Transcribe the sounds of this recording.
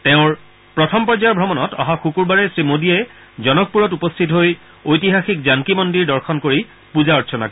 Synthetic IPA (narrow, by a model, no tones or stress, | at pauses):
tɛʊ̃ɹ | pɹɔtʰɔmpɔɹzaɹbʱɹɔmɔnɔtɔ̰ɦaxukuɹbaɹɛsɹimodiɛ | zɔnɔk̚puɹɔtupɔstʰitɦoj | ojtiɦaxikzaŋkimɔndiɹdɔɹxʰɔnkoɹi | puzaɔtsʰɔna̰k